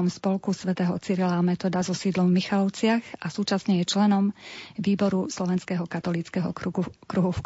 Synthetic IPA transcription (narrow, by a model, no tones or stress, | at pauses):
ɔmspɔlkusʋɛt̪ɛːɦɔt͡siːɾilamɛt̪ɔːd̪azɔsiːd̪lɔmvmixalɔʊt͡sɪaxasuːt͡ʃasɲɛjɛt͡ʃlɛnɔmʋiːbɔɾuslɔʋɛnskɛɦɔkat̪ɔliːt͡skɛɦɔkɾuɦuf